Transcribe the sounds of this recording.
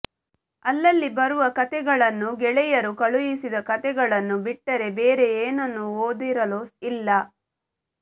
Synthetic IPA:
ɐlːɐlːibɐɾuʋɐkɐt̪ɛɡɐɭɐnːuɡɛɭɛjɐɾukɐɭujisid̪ɐkɐt̪ɛɡɐɭɐnːubiʈːɐɾe̞beːɾe̞eːnɐnːuoːd̪iɾɐluilːɐ

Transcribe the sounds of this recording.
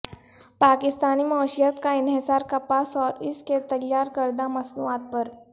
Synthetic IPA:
paːkɪst̪aːnimaːʃijət̪kaɪnɦɪsaːɾkapaːsɔːɾɪsket̪ɐjːaːɾkɐɾd̪amɐsnuːaːt̪̚pɐɾ

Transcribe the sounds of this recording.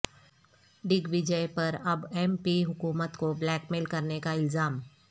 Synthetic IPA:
ɖɪɡʋɪd͡ʒəjpɐɾɐbɛːmpiɦʊkuːmət̪koblɛːkmeːlkɐɾnekaɪlzaːm

